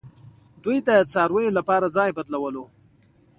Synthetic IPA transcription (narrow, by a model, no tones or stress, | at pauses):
d̪ujd̪ət͡sɑɾwəjolapɑɾad͡zɑjbat̪lawəlo